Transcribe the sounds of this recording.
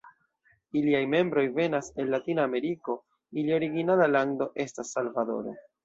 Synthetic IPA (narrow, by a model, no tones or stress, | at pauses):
iliajme̞mbɾo̞jve̞nase̞lːatinaːme̞ɾiko̞ | ilio̞ɾiɡinalalaŋdo̞ʔe̞stasːalvado̞̰ɾo̰